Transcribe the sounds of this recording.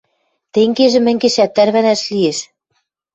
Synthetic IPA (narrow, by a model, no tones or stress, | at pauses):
t̪eŋɡeʒɘ̆mæ̆ŋɡeʃæt̪ːæɾβænæʃlieʃ